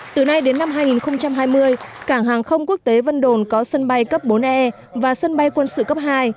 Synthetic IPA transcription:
t̪ɨ˨˩na˧jɗe˨˦nːa˧mɦaː˧jŋi˨˩nxə˧wŋ͡mt͡ɕa˧mɦaː˧jmɨ˧əjkaː˧˩ŋɦaː˨˩ŋxə˧wŋ͡mku˦˥ək̚t̪e˨˦və˧nɗo˨˩nkɔ˨˦sə˧nɓa˧jkə˦˥p̚ɓo˨˦nʔɛ˧ | vaː˨˩sə˧nɓa˧jkwə˧nsɨ̰˧˨kə˦˥p̚ɦaː˧j

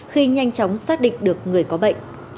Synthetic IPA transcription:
xi˧ɲa˧jŋ̟t͡ɕɔ˨˦wŋ͡msaː˦˥t̚ɗḭ̈˧˨ŋ̟ɗɨ˨˩ək̚ŋɨ˨˩əjkɔ˨˦ɓə̰˧˨ŋ̟

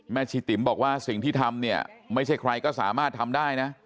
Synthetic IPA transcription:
mɛː˥˩t͡ɕʰiː˧˩t̪i˨˩˦mbɔː˨˩k̚waː˥˩si˨˩ŋt̪ʰiː˥˩t̪ʰa˧mni˥˩ɐma˥˩jt͡ɕʰa˥˩jkʰɾa˧jkɔː˥˩sa̰ː˩˦maː˥˩t̪ʰːa˧mdaː˥˩jna˦˥

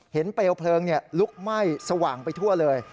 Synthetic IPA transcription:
he˩˦npeː˧wpʰlɤː˧ŋni˥˩ɐlu˦˥k̚ma˥˩jsa˧waː˨˩ŋpa˧jt̪ʰu˥˩ɐlɤː˧j

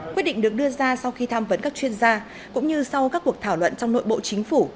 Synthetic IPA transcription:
kwt̚ɗḭ̟̈˧˨ɗɨ˨˩ək̚ɗɨ˧əzaː˧sa˧wxi˧t̪ʰaː˧mvə˨˦nkaː˦˥k̚t͡ɕwi˧ənzaː˧ | kʊ̰˧˥ŋ͡mɲɨ˧swkaː˦˥kːu˨˩ək̚t̪ʰaː˧˩wlwə̰˧˨nt͡ɕɔ˧wŋ͡mno̰˧˨jɓo̰˧˨t͡ɕï˨˦ŋ̟fu˧˩

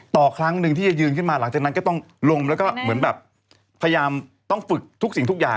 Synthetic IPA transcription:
t̪ɔː˨˩kʰɾa˦˥ŋnɯ˧ŋt̪ʰiː˥˩t͡ɕa˨˩jɯː˧nkʰɯ˥˩maː˧la˩˦ŋt͡ɕaː˨˩na˦˥nkɔː˥˩t̪ɔ˥˩ŋ | lo˧mlɛː˦˥wkɔː˥˩mɯ˩˦ənbɛː˨˩p̚ʰː | a˧ja˧jaː˧m | t̪ɔ˥˩ŋfɯ˨˩k̚t̪ʰu˦˥k̚si˨˩ŋt̪ʰu˥k̚ja̰ː˨˩

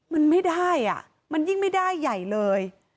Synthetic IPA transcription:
ma˧nma˥˩jda˥˩jʔa̰˨˩ʔ | ma˧nji˥˩ŋma˥˩jda˥˩jːa˨˩jlɤː˧j

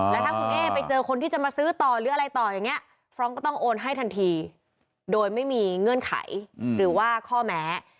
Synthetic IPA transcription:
lɛ˦˥t̪ʰa˥˩kʰu˧ŋʔeː˥˩pa˧jt͡ɕɤː˧kʰo˧nt̪iː˥˩t͡ɕa˨ʔmaː˧sɯː˦˥t̪ɔː˨˩ɾɯː˨˩˦ʔa˧ɾa˧jt̪ɔː˨˩ja˨˩ŋːi˦˥ɐ | fʰɾɔː˦˥ŋkɔː˥˩t̪ɔ˥˩ŋʔoː˧nɦa˥˩jt̪ʰa˧nt̪ʰiː˧ | doː˧jma˥˩jmiː˧ŋɤ˧˩ənkʰa̰˨˩˦jɾɯː˩˦waː˥˩kʰɔː˥˩mɛː˦˥

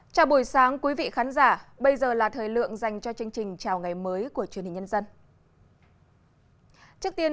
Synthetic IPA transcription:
t͡ɕaː˧˩wɓu˧˩jsaː˨˦ŋkwi˨˦vḭ˧˨xaː˨˦nzaː˧˩ɓə˧jzəː˨˩laː˨˩t̪ʰəː˨˩jlɨ̰˧˨əŋza˨˩jŋ̟t͡ɕɔ˧t͡ɕɨ˧əŋt͡ɕï˨˩ŋ̟t͡ɕaː˨˩wŋa˨˩jməː˨˦jku˧˩ət͡ɕwi˨˩nhi̟˨˩ɲə˧nzə˧n | t͡ɕɨ˦˥ək̚t̪i˧ə

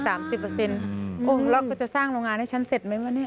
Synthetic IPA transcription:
saː˩˦msi˨˩pːɤ˧se˧nʔoː˧˩lɔː˦˥˩kɔː˥˩t͡ɕa˨˩ʔsaː˥˩ŋɾoː˧ŋaː˧nha˥˩t͡ɕʰa˦˥nse˨˩t̪̚ma˦˥jmaː˧˥˩ni˥˩

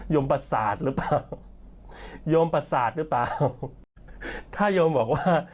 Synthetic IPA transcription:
joː˧mpɾa˧saː˨˩t̪̚ɾɯ˦˥plaː˨˧w | joː˧mpɾa˧saː˨˩t̪̚ɾɯ˦˥plaː˧w | t̪ʰaː˥˩joː˧mbɔː˨˩k̚waː˥˩

